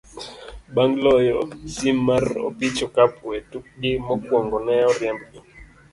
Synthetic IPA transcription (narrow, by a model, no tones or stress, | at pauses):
baŋɡlɔjɔsimːarɔ̰pit͡ʃɔkapetuk̚ɡɪmɔkwɔŋɡɔnɛɔɾjɛmbɡɔ